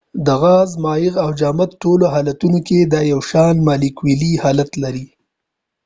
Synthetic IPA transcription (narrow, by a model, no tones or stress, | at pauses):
d̪əɣɑzmɑːjɪɣawd͡ʒɑːmat̪ʈoloɦɑlat̪unoked̪ɑjawʃɑnmɑlɪkwilihɑlat̪laɾi